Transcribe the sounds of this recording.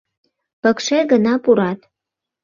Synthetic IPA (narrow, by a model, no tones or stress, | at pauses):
pə̆kʃeɣənɑpuɾɑt̪